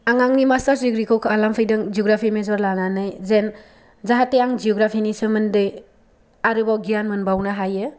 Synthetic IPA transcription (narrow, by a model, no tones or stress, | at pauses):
aŋaŋnimastaɾsiɡɾikʰɔwkʰɯalampʰɯjdɯŋd͡ʒiɔɡɾapʰimezɔɾlananajzen | zaɦatːejaŋd͡ʒiɔɡɾapʰinisɯmɯndɯj | aɾɯbawɡijanmɯnbawnaɦajɯ